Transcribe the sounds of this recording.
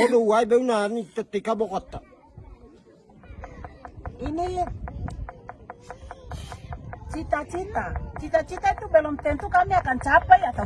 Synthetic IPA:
odowaibɛunanit̪ot̪ːikabɔkɔt̪ːa | ini | t͡ʃit̪at͡ʃit̪at͡ʃit̪at͡ʃit̪at̪ubɛlɔmt̪ɛnt̪ukamiakant͡ʃapaiaka

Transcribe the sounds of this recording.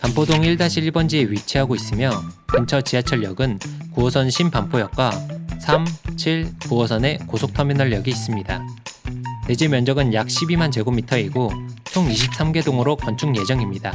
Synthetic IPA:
pampʰodoŋiɭdaɕʰiiɭbʌnd͡ʑieɥit͡ɕʰiɦaɡois͈ɯmjʌkɯnt͡ɕʰʌt͡ɕiat͡ɕʰʌɭːʌɡɯnkuʌsʰʌnɕʰimpampʰojʌk̚k͈wasʰamt͡ɕʰiɭkuʌsʰʌne̞kosʰok̚tʰʌminʌɭjʌɡiːs͈ɯmɲida | ne̞d͡ʑemjʌnd͡ʑʌɡɯnjak̚ɕ͈ʰibimand͡ʑe̞ɡomitʰʌiɡot͡ɕʰoŋiɕʰip̚s͈amɡe̞doŋɯɾokʌnt͡ɕʰuŋje̞d͡ʑʌŋimɲida

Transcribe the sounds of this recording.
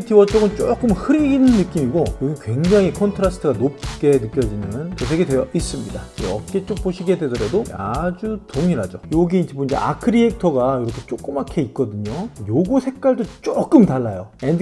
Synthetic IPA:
tʰiwʌt͡ɕ͈oɡɯnt͡ɕ͈ok͈ɯmhɯɾiɡinɯnːɯk͈imiɡojoɡikwe̞ŋd͡ʑaŋɦikʰʌntʰɯɾasʰtʰɯɡanop̚k͈e̞nɯk͈jʌd͡ʑimjʌnɯnt͡ɕʌsʰeɡedwe̞jʌʔis͈ɯmɲidaḛʌ̰t̚k͈e̞t͡ɕ͈ok̚poɕʰiɡe̞dwe̞dʌɾadoad͡ʑutoŋiɾɦad͡ʑojoɡiːniboind͡ʑe̞̰ʔa̰kʰɯɾiek̚tʰʌɡaiɾʌkʰe̞t͡ɕ͈ok͈ɯmakʰe̞it̚k͈ʌdɯɲojoɡusʰe̞k̚k͈aɭdot͡ɕ͈ok͈ɯmtaɭːajoend

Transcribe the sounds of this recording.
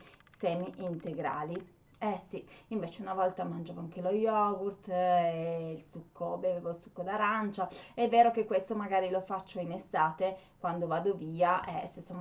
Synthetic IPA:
sɛːmiʔint̪eɡɾa̰ːli | ɛsiiɱveːt͡ʃeunavɔlt̪amand͡ʒaːvoaŋk̟elojɔɡurt̪eilsukʰːobevevolsu̥kːod̪aɾant͡ʃaɛvːeːɾokekːwest̪omaɡaːɾilofat͡ʃːoinest̪aːt̪ekwand̪ovaːd̪oviːaʔɛ̰sesːom

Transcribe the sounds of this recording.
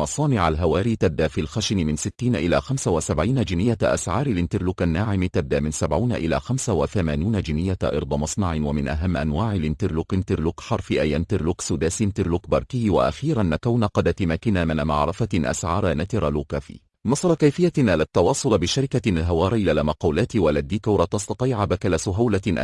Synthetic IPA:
ɑsˤɑːnɪʕalɦawaːɾiːt̪ab̚d̪ːaːfiːlxaʃɪnmɪnsɪt̪ːiːnʔɪla̰ːxamsawasabʕiːnad͡ʒɪnɪjːaʔa̰sʕɑːɾˤalɪnt̪ɪɾluːkanːaːʕɪmt̪ab̚d̪ːaːmɪnsabʕuːnaʔɪla̰ːxamsawaθamaːniːnad͡ʒɪnɪjːaʔɑ̰ɾˤd̪ˤɑmɑsˤnɑʕɪwamɪnʔaɦamːʔanwaːʕalʔɪnt̪ɪɾluːkɪnt̪ɪɾlukħɑɾˤfiʔajʔant̪ɪɾluːksud̪aːsɪnt̪ɪɾluːkbɑɾˤkɪjwa̰ʔa̰xiːɾanːakawnaqɑd̪at̪ɪmaːkɪnaːmɪnmɑ̰ʕɾˤɑfaʔa̰sʕɑːɾˤanat̪ɪɾˤɑluːkafḭː | nɑsˤɑɾˤɑkajfɪjːaʔalat̪ːɑwɑːsˤʊlbɪʃaɾɪkaɪlɦawɑːɾˤʔɪlalamɑqɑːlaːt̪walad̪ːiːkuːɾˤɑt̪ɑst̪ɑt̪ˤiːʕabakalasʊɦawlaʔ

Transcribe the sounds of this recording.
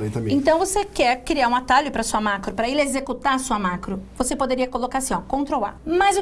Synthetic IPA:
lẽt̪ɐ̃ẽt̪ɐ̃w̃vosekɛɾkɾiaɾũat̪aʎʊpɾɐsuɐmakɾʊpɾɐelezekut̪aɾɐsuɐmakɾʊvosepod̪eɾiɐkolokaɾsĩɔkõt̪ɾowa̰maz

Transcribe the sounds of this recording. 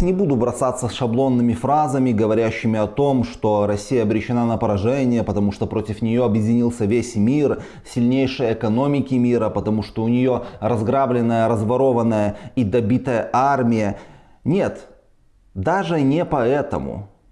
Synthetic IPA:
nʲɪbud̪ʊbɾɐsat̪sːəsʂɐblˠo̞nːɨmʲɪfɾazəmʲɪɡəvɐɾʲæɕːɪmʲɪɐt̪o̞mʂt̪o̞ɾɐsʲːijəɐbɾʲɪɕːɪnanəpəɾɐʐɛnʲɪjəpət̪ɐmuʂt̪opɾo̞tʲɪfnʲɪjo̞ɐbjɪdʲɪnʲilˠsʲəvʲesʲmʲir | sʲɪlʲnʲejʂɨjəɪkɐno̞mʲɪkʲɪmʲiɾəpət̪ɐmuʂt̪oʊnʲɪjo̞ɾɐzɡɾablʲɪnːəjəɾəzvɐɾo̞vənːəjəid̪ɐbʲit̪əjəʔarmʲɪjə | nʲe̞t̪ | d̪aʐɨnʲɪpɐɛt̪ə̰mʊ̰

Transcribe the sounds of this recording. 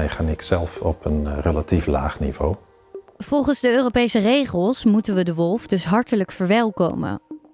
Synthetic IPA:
ɛjχaːnɪksɛlˠfɔpʰənrelatifla̰ːχnḭv̥o̰w | v̥ɔlˠχənzdəøːropejsərejχəlˠsmutənʋədəʋɔlˠfdɵsɦɑɹtələkfəɹʋɛlˠko̰wmə̰

